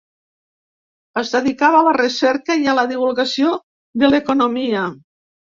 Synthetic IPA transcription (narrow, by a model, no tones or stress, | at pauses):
əzðeðikaβaːlaresɛɾkəjalaðiβ̞ulˠɣasio | ðəlekonomia